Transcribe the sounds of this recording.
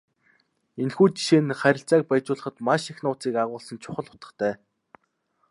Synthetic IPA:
enxuːt͡ɕi̥ʃeːnχæɾʲɪ̆ɬt͡saːk̚pæjt͡ɕʊːɮə̆χə̆t̪maʃixnʊːt͡siːkaʁʊːɮsə̆nt͡ɕʰʊ̥χə̆ɮʊ̥t̪ə̆χt̪ʰæː

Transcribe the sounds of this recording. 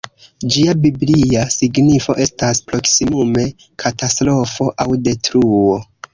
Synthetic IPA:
d͡ʒiabibliasiɡnifo̞̰ʔe̞staspɾo̞ksimume̞ | kʰatastɾo̞fo̞ʔawde̞tɾuo

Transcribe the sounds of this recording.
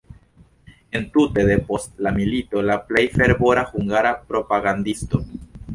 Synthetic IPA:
e̞ntute̞d̪e̞po̞stlamilito̞laple̞jfe̞ɾbo̞ɾahuŋɡaɾapɾo̞paɡandisto̞

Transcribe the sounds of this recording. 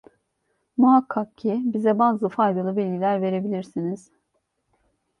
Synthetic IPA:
muɦakʰːak̚cʰibizɛbaːzɯfajd̪alˠɯbɛlʲɟilʲæɾve̞ɾe̞bilʲiɾsiniz̥

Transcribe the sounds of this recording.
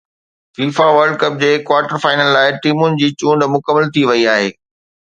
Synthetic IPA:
fiːfaʋɐɾɖkɐp̚d͡ʑeːkwaːɾʈəɾfaːɪnəlːaːɪʈiːmʊnɪ̆d͡ʑiːt͡ɕũːɳɖmʊkəmːəlt̪ʰiʋɐiaːɦeː

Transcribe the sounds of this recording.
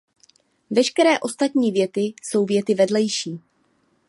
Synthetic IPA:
vɛʃkɛɾɛːʔo̞st̪at̪ɲiːvjɛt̪ɪso̞wvjɛt̪ɪvɛdlɛjʃiː

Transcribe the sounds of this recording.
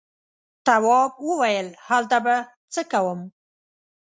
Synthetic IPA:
t̪awɑb̚wəwajəlhalt̪aba | t͡səkawəm

